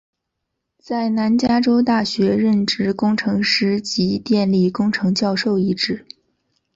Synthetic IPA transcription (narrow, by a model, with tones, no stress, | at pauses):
t͡sa˥˩ɪna˧˥nt͡ɕja˥ʈ͡ʂo˥ʊt̪a˥˩ɕɥɛ˧˥ɻə˥˩nʈ͡ʂɻ̩˥˩kʊ˥ŋʈ͡ʂʰɤ˧˥ŋʂɻ̩˧˥t͡ɕi˧˥t̪jɛ˥˧nli˥˩kʊ˥ŋʈ͡ʂʰɤ˧˥ŋt͡ɕjɑ˥˧ʊʂo˥˩ʊi˧˥ʈ͡ʂɻ̩˥˩